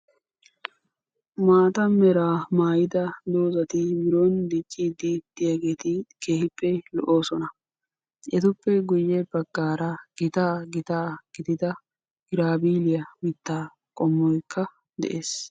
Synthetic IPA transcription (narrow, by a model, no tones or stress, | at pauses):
maːt̪ɐmɛɾaːmaːjɪd̪ɐd̪oːzɐt̪ɪmɪɾoːnd̪it͡ʃʼːɪd̪ɪd̪ɪjaɡe̞ːt̪ɪke̞ːhɪpːɛlɔ̰ʔoːsɔnɐ | ʔɛt̪ʊpːɛɡʊjːɛbɐɡːaːɾɐɡ̥ɪt̪aːɡɪt̪aːɡ̥ɪd̪ɪd̪ɐ | ɡɪɾaːbiːlɪjɐmɪt̪ːaː | kʼɔmːɔjkʰːɐ | d̪ɛ̰ʔeːs